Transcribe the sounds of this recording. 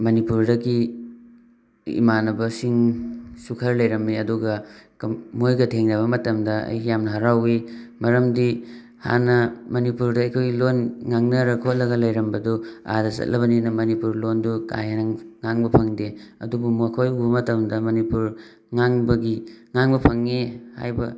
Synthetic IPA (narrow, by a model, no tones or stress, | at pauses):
mɐnipuɾdɐɡi | ḭmanɐbɐsiŋsukʰɐɾlɐjɾɐmːiɐduɡɐkɐmojɡɐtʰeŋnɐβɐmɐtɐmdɐɐ̰jɡijamnɐɦɐɾawimɐɾɐmdi | ha̰nɐmɐnipuɾdɐɐjkʰojɡilonŋaŋnɐɾɐkʰot̚lɐɡɐlɐjɾɐmbɐdua̰dɐsɐ̰t̚lʔɐβɐninɐmɐnipuɾlonduka̰janɐŋaŋbɐpʰɐŋdeɐ̰dubumukʰojubɐmɐtɐmdɐmɐnipuɾ | ŋaŋbɐɡiŋaŋbɐpʰɐŋːiha̰jbɐ